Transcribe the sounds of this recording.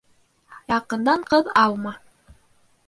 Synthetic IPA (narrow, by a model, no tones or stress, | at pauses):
jɑqɤ̆nd̪ɑɴqɤðɑlˠmɑ